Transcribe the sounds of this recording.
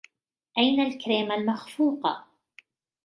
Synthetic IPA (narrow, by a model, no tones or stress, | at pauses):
ʔajnalkɾeːmalmaxfuːqɑ̰